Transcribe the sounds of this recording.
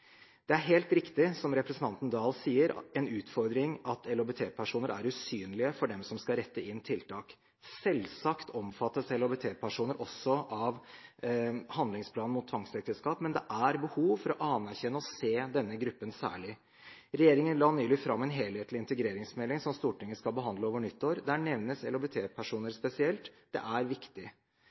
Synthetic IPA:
d̪̥ɛæɾɦeːlt̪ɾɪkt̪ɪsɔmɾɛpɾɛsən̩t̪ɑnt̪n̩d̪ɑːlsiːəɾɛnʉːt̪fɔɾd̪ɾɪŋɑt̪ʰɛlɔbət̪ʰeːpʰæʂuːnəɾʔæ̰ɾʉsyːnlɪəfɔɖɛmsɔmskɑɾɛt̪ːəɪnːt̪ʰɪlt̪ʰɑːk | sɛlsɑkt̪ʰɔmfɑt̪ːəsɛlɔbət̪ʰeːpʰæʂuːnəɾʔɔsːɔʔɑʋ | hɑnd̪lɪŋspʰlɑːnmʊt̪ʰːʋɑŋsɛk̚t̪əskɑːpmɛnd̪ɛʔæɾbəhuːʋfɔɾɔʔɑnæɾçɛnːəɔseːd̪ɛnːəɡɾʉpːənsæ̰ːɭɪ | ɾɛjeːɾɪŋənlɑːnyːlɪfɾɑmːɛnɦeːlheːt̪lɪɪnt̪əɡɾeːɾɪŋsmɛlːɪŋsɔmst̪uːʈɪŋːəskɑlbəɦɑnd̪ləoːʋəɳʏt̪ːoːɾd̪æɳɛʋnəsɛlɔbɛt̪ʰeːpʰæʂuːnəɾspɛsɪɛlt̪ | d̪̥ɛ̰ʔæɾʋɪkt̪ɪ

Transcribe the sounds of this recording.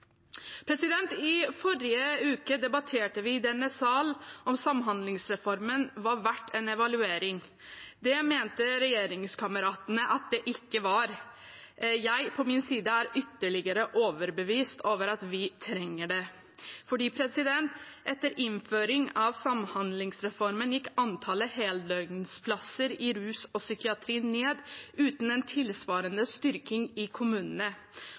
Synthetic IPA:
pʰɾɛsɪd̪ɛnt̪ɪfɔɾɪəʉːkəd̪ɛbɑt̪ʰeːʈəʋɪd̪ɛnːəsɑlɔmsɑmɦɑnd̪lɪŋsɾɛfɔɾmənʋɑɾʋæʈːɛnɛʋɑlʉeːɾɪŋ | d̪ɛmeːnt̪əɾɛjeːɾɪŋskʰɑməɾɑːt̪ənəʔɑt̪̚d̪ɛʔɪkːəʋɑɾ | jæɪpʰɔmɪnsiːd̪əæːɾʏt̪ːəɭɪɡəɾəʔoːʋəɾbəʋiːst̪ʰoːʋəɾɑt̪ʋɪt̪ʰɾɛŋːəɖɛ | fɔɖiːpʰɾɛsɪd̪ɛnt̪ʔɛt̪ːəɾɪnføːɾɪŋɑʋsɑmhɑnd̪lɪŋsɾɛfɔɾmənjɪkːɑnt̪ʰɑːləheːld̪œʏɡspʰlɑsːəɾɪɾʉːsɔsʏkɪɑt̪ʰɾiːnneːd̪ʉːt̪n̩ɛnt̪ʰɪlsʋɑːɾənəst̪ʏɾkɪŋɪkʰʊmʉːnənə

